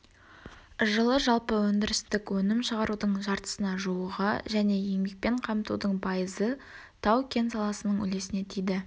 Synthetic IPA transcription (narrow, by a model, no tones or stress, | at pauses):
ʒəlˠəʒɑlˠpəwɵnd̪ɪɾɪst̪ɪkwɵnɪmʃəʁɑɾud̪əɴʒɑɾt̪ə̥sənɑʒuəʁə̰ʒæne̞jeŋbek̚pe̞ɴqʰɑmt̪ud̪əɴpʰɑjəzə | t̪ʰɑwkʲʰe̞nsɑlˠɑsənəɴʏ̰le̞sɪne̞t̪ʰijd̪ɪ